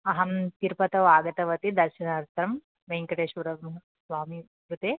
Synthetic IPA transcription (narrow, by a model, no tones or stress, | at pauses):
ɐɦɐmt̪iɾpɐt̪ɐʋaːɡɐt̪ɐʋɐt̪id̪ɐɾʃɐnaːɾt̪ɐɾɐm | ʋɐjŋkɐʈeːʃʋɐɾɐmɐ | sʋaːmi | kɾut̪e